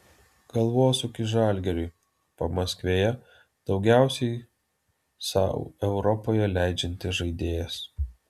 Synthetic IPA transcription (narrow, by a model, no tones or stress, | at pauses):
ɡ̥ɐlˠʋoːsʊkʲɪʒɑlʲɡʲɛɾʲʊɪ | pɐmɐsʲkʋʲeːjɛ | d̪̥ɒʊɡʲæˑʊsʲɛɪ | sɑ̰ʊɛʊɾɔpoːjɛlʲæˑɪd͡ʒʲɛnʲt̪ʲɪʒɐɪd̪ʲeːjɛs